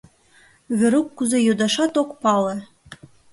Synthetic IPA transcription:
βɘ̆ɾukːuzejod̪ɑʃɑt̪okpɑlɤ̆

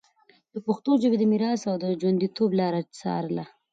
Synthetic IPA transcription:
d̪̥əpaxt̪od͡ʒəbed̪əmiɾɑsawd̪əd͡ʒwand̪it̪oblɑɾat͡sɑ̰ɾla

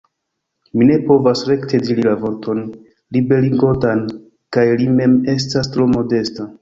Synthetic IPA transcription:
mine̞po̞vasɾe̞ktʰe̞diɾilavo̞ɾtʰo̞n | libe̞ɾiŋɡo̞tan | kajlime̞me̞s̬tastɾo̞mo̞de̞sta

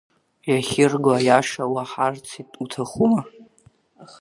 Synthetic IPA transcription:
jaχʲɪrɡajaʂawaħart͡sʰitʼutʰaχuma

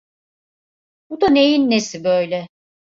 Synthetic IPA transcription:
bud̪anejinːesibøjlʲɛ

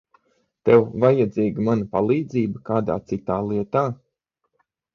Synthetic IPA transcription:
t̪ɛwvajad̪ziːɡəmanɐpalˠiːd̪ziːbəkaːd̪a̰ːt̪sit̪aːlˠiɛt̪aː

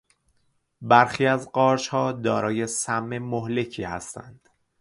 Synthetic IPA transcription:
bæɾxiːæzɢɒːɾʃhɒːd̪ɒːɾɒːje̞sæmːe̞mohle̞cʰiːhæ̰st̪æ̰nd̪̥

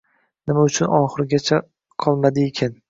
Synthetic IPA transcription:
nɪmaʊt͡ʃʰʊnɒχɨɾɡʲat͡ʃʰa | qʰɒlˠmad̪ɪekʲʰan

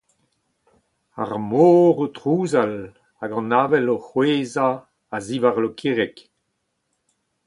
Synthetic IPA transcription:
a̰ʁmoːʁotʁuːzal | aɡɑ̃naːvɛloχweːzaː | zivaʁlokʰiʁɛk

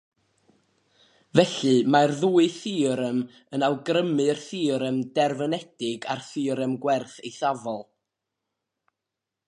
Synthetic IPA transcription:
vɛɬɨmarðuːɨθiːɾəm | ənalˠɡrəmɨrθiːɾəmdɛrvənɛd̥ɪɡa̰rθiːɾəmɡwɛrθejθavɔlˠ

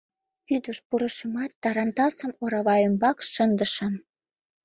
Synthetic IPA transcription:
βyd̪əʃpuɾə̆ʃə̆mɑt̪ːɑɾɑnt̪ɑsə̆moɾɑβɑjəmbɑkʃənd̪ə̆ʃə̆m

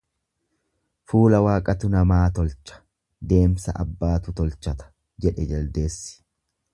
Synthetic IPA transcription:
fuːlɐwaːkʼɐt̪ʊnɐmaːt̪ɔlt͡ʃɐ̥ | d̪e̞ːmsɐ̰ʔɐbːaːt̪ʊt̪ɔlt͡ʃːɐt̪ɐ̥ | d͡ʒɛᶑɛd͡ʒɐld̪e̞ːsːɪ̥

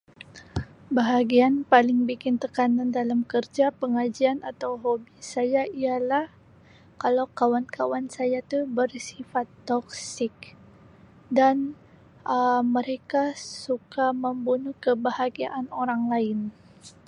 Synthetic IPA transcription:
baɦaɡianpalɪŋbikɪnt̪əkanandalamkərd͡ʒapəŋad͡ʒianat̪awɦobisajaialah | kalawkawankawansajat̪ubərsifat̪ːɔk̚sɪk̚ | dan | əməɾekasukaməmbunʊhkəbahaɡiaʔanoɾaŋlaɪn

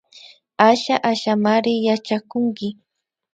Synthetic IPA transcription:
aʃaʔaʃamaɾɪjat͡ʃakʊŋkɪ

